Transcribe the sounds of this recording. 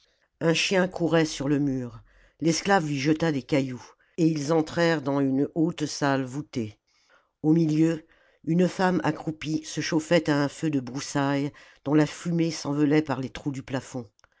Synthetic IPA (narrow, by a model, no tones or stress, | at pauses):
ɛ̃ʃjɛ̃kʰuʁɛsyʁləmyːʁ | lɛsklavlɥiʒət̪ad̪ekʲaju | eilzɑ̃t̪χɛʁd̪ɑ̃ynot̪salvut̪e | omiljø | ynfama̰kχupisəʃofɛt̪aɛ̃fød̪əbʁusaj | d̪̥ɔ̃lafymesɑ̃vɔlɛpaʁlet̪χud̪yplafɔ̃